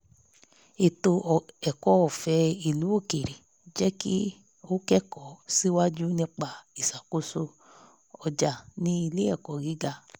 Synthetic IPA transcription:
e˨to˧˨ɛ˨kɔ˨˦ɔ˦˨fɛ˧i˨lu˨˦o˦˨ke˨ɾe˨ | d͡ʒɛ˦kḭ˦ | o˦kɛ˦kɔ˨si˦wa˦d͡ʒu˦nĩ˧k͡pa˨i˨sa˨ko˦so˧ | ɔ˧d͡ʒa˨nĩ˦i˧le˦ɛ˦˨kɔ˨ɡi˨˦ɡa˧˨

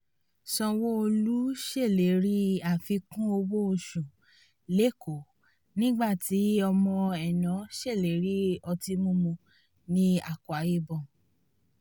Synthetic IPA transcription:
sɔ̃˧wo˦o˧lu˦ʃe˦˨le˨˦ɾi˦a˨fi˧kũ˦o˧wo˦o˧ʃũ˨ | le˨˦ko˨ | nĩ˦ɡ͡ba˦˨ti˨˦ɔ˧mɔ̃˧ɛ˨nɔ̃˨˦ʃe˦˨le˨˦ɾi˨˦ɔ˧ti˧˦mũ˦mũ˧ | nĩ˦a˨ku˨a˨je˦bɔ̃˨

